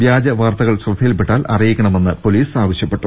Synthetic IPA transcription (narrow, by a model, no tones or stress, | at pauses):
ʋjaːd͡ʑɐʋaːrt̪ɐɣɐɭɕrɐd̪ʱːijilpeʈːaːlʔɐ̰rijikʲːɐɳɐme̞nːɨpo̞liːsaːʋɐɕjɐpːe̞ʈːu